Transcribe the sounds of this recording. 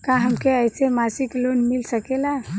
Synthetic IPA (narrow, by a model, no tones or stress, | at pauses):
kãɦəmkeəjsemasiklonmilsəkela